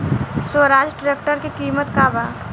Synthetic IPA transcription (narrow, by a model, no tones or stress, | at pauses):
swəɾaːd͡ʒʈɾekʈəɾkikiːmət̪kaːbaː